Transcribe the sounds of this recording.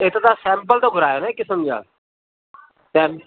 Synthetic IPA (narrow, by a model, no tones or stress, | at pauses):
et̪at̪aːsɛ̃ːmpəlt̪oːɡʱʊɾaːjoːnekɪsəmd͡ʒa̰ːl | t̪eː